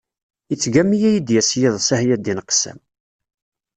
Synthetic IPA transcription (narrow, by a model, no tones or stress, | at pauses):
jət͡sːɡæmːijæjid̪jæsjiðˤsæhjæd̪inqsæ̰m